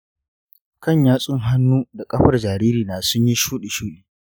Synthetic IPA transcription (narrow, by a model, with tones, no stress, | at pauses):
kɐ˦˨ɲjaː˦sʼʊ˦ŋɦa˦nːuː˦da˨kʼɐ˦ɸɐ˦rd͡ʒaː˨ɾiː˦ɾiː˨naː˨sʊ˦ɲji˦ʃuː˦ɗe˨ʃuː˦ɗiː˨